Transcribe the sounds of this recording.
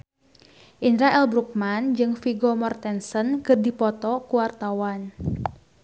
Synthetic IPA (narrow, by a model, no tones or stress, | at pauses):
ʔinɾaɛlbɾuk̚mand͡ʒɨŋfiɡɔmɔrt̪ɛnsənkɨrdipɔt̪ɔkuwart̪awan